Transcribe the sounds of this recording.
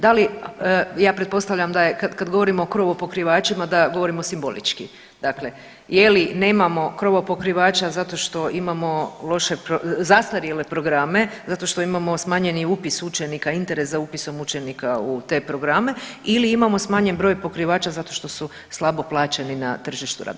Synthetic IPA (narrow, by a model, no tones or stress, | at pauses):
d̪ali | jaːpɾet̪̚po̞st̪aʋʎamd̪ajekad̪kad̪ɡo̞ʋo̞ɾimookɾo̞ʋopo̞kɾiʋaːt͡ʃimad̪aɡo̞ʋoɾimo̞simbo̞̰lḭt͡ʃki | d̪̥akle̞ | jeline̞ːmamo̞kɾo̞ʋopo̞kɾiʋaːt͡ʃazat̪oʃt̪o̞ʔimamo̞lˠo̞ʃe̞pɾozast̪aɾjele̞pɾo̞ɡɾaːme̞zat̪o̞ʃt̪o̞imamo̞smaːɲe̞niupisut͡ʃenikaint̪e̞ɾeszaupiso̞mut͡ʃe̞nikaut̪e̞pɾo̞ɡɾame̞iliimamo̞smaːɲe̞nbɾo̞ːjpo̞kɾiʋaːt͡ʃazat̪o̞ʃt̪o̞su | slˠabo̞plˠaːt͡ʃenina̰t̪r̩ʒiʃt̪ṵɾa̰ːd̪